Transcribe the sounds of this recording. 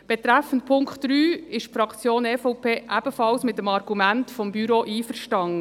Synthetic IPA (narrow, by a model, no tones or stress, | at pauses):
b̥ɛt̪ɾæfən̩t̚pʰʊŋkχtɾyːɪʃfɾɑkt͡sjoːnɛfɔwpʰeːʔæb̥əfɑlsmɪt̚ːəmɑɾɡ̥umæntfɔmbyɾoʔiːfəɾʃtɑŋə